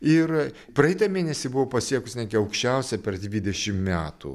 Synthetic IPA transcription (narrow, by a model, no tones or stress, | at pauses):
ɪr | pɾɐjɪt̪ɐmʲeːnʲɛsʲiːbʊʋopɐsʲiɛkʊsnʲæːɡʲɪɐʊkʃʲt͡ʃʲɛʊsʲɛpʲɛrd̪ʲʋʲid̪ʲɛʃʲɪmmʲæːt̪ṵ